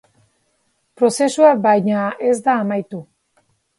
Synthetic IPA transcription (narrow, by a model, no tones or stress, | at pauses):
pɾo̞se̞suakbajɲae̞zd̪aːmajt̪u